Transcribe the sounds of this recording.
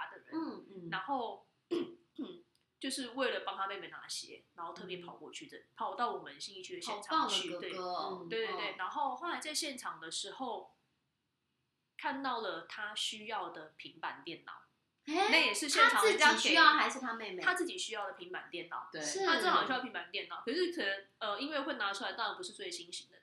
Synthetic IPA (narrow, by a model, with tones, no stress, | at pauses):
a˧˥d̪ə˨ɻə̰˨˦n˥˩na˧˥nxo˥˩˧ʊ˩ | t͡ɕjo˥˧ʊʂɻ̩˥˧we˥˩ɪlə˨˩pɑ˥ŋt̪ʰa˥pe˥˧ɪme˥˧˩ɪna̰˧˥ɕjɛ̰˧˦na˨˩˥nxo˥˧ʊt̪ʰɤ˥˩p̬jɛ˧˥pʰɑ˨˩ʊkwɔ̰˥˧t͡ɕʰy˥˩t͡sə˩pʰɑ˨˦ʊt̪ɑ˥˩ʊwɔ˨˩mə˦nɕi˥ŋi˥˧t͡ɕʰy˥˩ə˨˩ɕjɛ˨˥nʈ͡ʂʰɑ˨˥˨ŋt͡ɕʰy˥˧t̪we˥˩ə˦t̪e˥˩ɪt̪we˥˧we˥˩ɪna˧˥nxo˥˧ʊxo˥˩la˧ɪt͡sa˥˧ɪɕjɛ˥˩nʈ͡ʂʰɑ˨˩ŋd̪ə˨ʂɻ̩˧˥xo˥˧ʊ | kʰa˥˧nt̪ɑ˥˩ʊlə˩t̪ʰa˥ɕy˥jɑ˥˩ʊd̪ə˩pʰi˧˥ŋpa˧˥nt̪jɛ˥˩nnɑ̰˨˩˦ʊ˥ | na˥˨˩jɛ˨˩ʂɻ̩˥˧ɕjjɛ˥˩˥nʈ͡ʂʰɑ˨ŋ˥˨˩t͡ɕja˥e˨jɑ˥˩xa˧˥ʂɻ̩˥˩t̪ʰa˥me˥˧ɪ˧t̪ʰa˥t͡sɹ̩˥˩t͡ɕi˨˩ɕy˥jɑ˥˩ʊd̪ə˨˩pʰi˧˥ŋpa˨˩nt̪jɛ˥˩nɑ̰˨˩˦ʊt̪we˥a˥˨˩y˥˩pʰi˧˦mpa˨˩n˩t̪jnɑ˨˩ʊkʰɤ˨˩ʂɻ̩˥˩kʰə˨˩nə˧˦n | ə˧i˥nwe˥˧ɪxwe˥˩ɪna˧˥ʈ͡ʂʰu˥la˧ɪt̪ɑ˥ɻa˧˥npu˧˥ʂɻ̩˥˧t͡swe˥˩ɪɕi˥nɕi˧˥ŋd̪ə˨